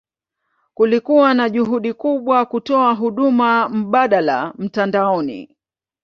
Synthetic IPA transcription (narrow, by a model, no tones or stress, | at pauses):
kulikuwanaʄuɦuɗikuɓwakutɔaɦuɗumam̩ɓaɗalam̩tandaɔnḭ